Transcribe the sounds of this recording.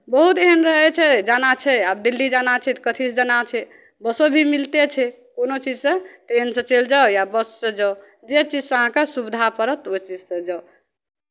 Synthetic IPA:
bəɦut̪eɦənɾəɦɛt͡ʃʰɛd͡ʒanat͡ʃʰɛab̚d̪ilːid͡ʒanat͡ʃʰɛt̪kət̪ʰisd͡ʒanat͡ʃʰɛ | bəsobʱimilt̪et͡ʃʰɛ | konot͡ʃid͡ʒsə̃ʈensə̃t͡ʃeld͡ʒawjabəssə̃d͡ʒa | d͡ʒet͡ʃid͡ʒsɦãkesubd̪ʱapəɾət̪ot͡ʃid͡ʒsə̃d͡ʒao

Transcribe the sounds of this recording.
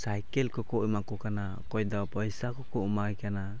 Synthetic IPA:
sajkɛlkɔkɔimakɔkana | kɔjd̪ɔpɔjsakɔkɔumajkana

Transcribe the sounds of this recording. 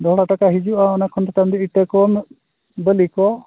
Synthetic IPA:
d̪ɔɦɽaʈakaɦid͡ʒuʔaɔnakʰɔnt̪at̪amd̪iiʈəkɔm | bəlikɔ

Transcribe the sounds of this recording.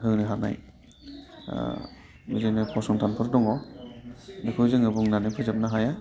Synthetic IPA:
ɦɯŋnɯɦana̰j | bɯzɯnɯpʰɔsɔŋtʰanpʰɯɾdɔŋɔ | nikʰɯzɯŋɯbɯŋnanɯpʰɯzap̚naɦaja

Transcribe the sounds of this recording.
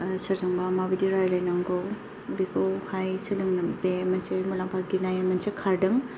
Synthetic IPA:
sɐɾdɯŋbamabidiɾajlajnaŋɡow | bikʰowhajsilɯŋnɐbemɐnsejmulampʰaɡinajemɐnsekʰaɾdɯŋ

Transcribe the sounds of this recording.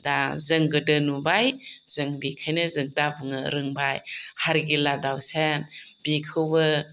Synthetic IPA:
dazɯŋɡɯdɯnubajz̥ɯŋbikʰajnɯzɯŋdabɯŋɯɾɯŋbajhaɾɡiladawsenb̥ikʰɯwɯ

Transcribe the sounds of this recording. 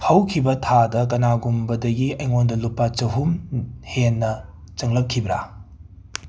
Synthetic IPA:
hɐwkʰibɐtʰadɐk̬ɐnaɡumbɐdɐɡiɐjŋondɐlupːat͡ʃɐɦumhenːɐ | t͡ʃɐŋlɐp̚kʰːibɾa

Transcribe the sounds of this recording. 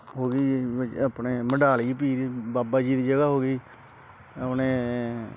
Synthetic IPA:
ɦoːɡiːaːpneːməɖaːliːpiːɾiːbaːbaːd͡ʒiːd̪iːd͡ʒəɡaːɦoːɡiː | əpneː

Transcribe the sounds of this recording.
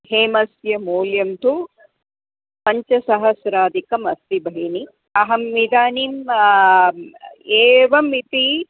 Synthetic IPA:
heːmɐsjɐmuːljɐmt̪u | pɐɲt͡ʃɐsɐɦɐsɾaːd̪ikɐmɐst̪ibʱɐɦini | ɐɦɐmːid̪aːnim | eːʋɐmit̪i

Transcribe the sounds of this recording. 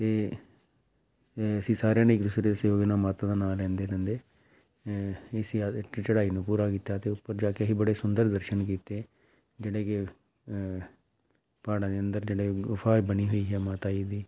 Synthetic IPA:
t̪eː | əsĩːsaːɾãːneːkd̪ʊːsɾeːəsjoːɡnãːmaːt̪ãːd̪aːnaːlːɛ̃ːnd̪eːɾɛ̃ːnd̪eː | esiat͡ʃəɽaːiːnũːpuːɾaːkiːt̪aːt̪eːʊpːəɾd͡ʒaːkeəsiːbəɽeːsʊnd̪əɾd̪əɾʃənkiːt̪eː | d͡ʒeːɽeːkɪ | paːɽãːd̪eːənd̪əɾd͡ʒeːɽeːɡʊfʰaːbəniːɦoːiːɦɛːmaːt̪aːiːd̪iː

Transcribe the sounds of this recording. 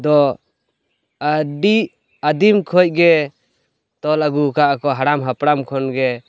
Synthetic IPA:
d̪ɔ | aɖi | ad̪imkʰɔc̚ˀɡɛ | t̪ɔlaɡukaʔkɔɦaɾamɦapɾamkʰɔnɡɛ

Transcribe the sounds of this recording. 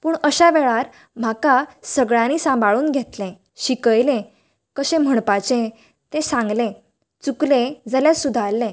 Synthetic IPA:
puːɳəɕaʋeɭaɾ | m̤akasəɡɭãniːsãmbʱaɭuːnɡʱet̪lẽ | ɕikəjlẽ | kəɕẽm̤əɳpat͡ɕẽ | t̪ẽsãŋɡlẽ | t͡suklẽd͡zaljasud̪ʱalːẽ

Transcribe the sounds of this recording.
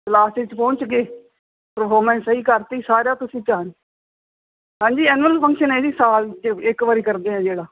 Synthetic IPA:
slaːsɪt͡ʃpɔ̃ːt͡ʃɡeː | pɾəpʰoːɾmɛ̃ːnsəiːkəɾt̪iːsaːɾjaːt̪ʊsĩːt͡ʃaːn | ɦãːɲd͡ʒiːɛːnʋəlpʰə̃ŋkʃəneːd̪iːsaːld͡ʒɪkʋaːɾiːkəɾd̪eːɛ̃ːd͡ʒeːɽaː

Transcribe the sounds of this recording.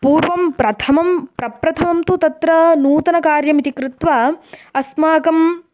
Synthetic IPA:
puːɾʋɐmpɾɐt̪ʰɐmɐmpɾɐpɾɐt̪ʰɐmɐmt̪ut̪ɐt̪ɾɐnuːt̪ɐnɐkaːɾjɐmit̪ikɾɪt̪ʋaːɐsmaːkɐm

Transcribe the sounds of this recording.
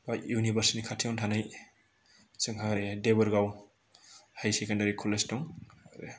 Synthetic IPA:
bajunibɐɾsinikʰatʰiɔntʰanaj | sɯŋɦaɾedebɔɾɡaw | hajsekendaɾikʰɔlestɔŋɾe

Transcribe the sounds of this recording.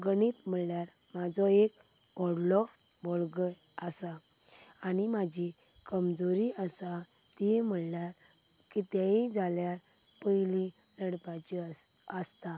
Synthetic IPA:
ɡəniːt̪m̤əɭljaɾ | mad͡zɔek | ɔɽlɔf | boɭɡəj | əsaː | nimad͡ʑʱi | kəmd͡zoɾiəsa | t̪iem̤əɭljaɾ | kit̪ãĩd͡zʱaljaɾ | pəilĩ | ləɽpat͡ɕi | əst̪a

